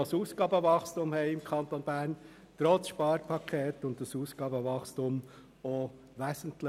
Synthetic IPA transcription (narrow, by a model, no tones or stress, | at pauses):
ɑsuːsɡ̥ɑːbəʋɑχstumhɛɪɪmkʰχɑnt̪onb̥æːɾn | t̪ɾɔt͡sʃpɑːɾpʰɑkʰeːt̪ʊnt̚dɑsuːsɡ̥ɑːbəʋɑχstum | o | ʋæsən̩tlə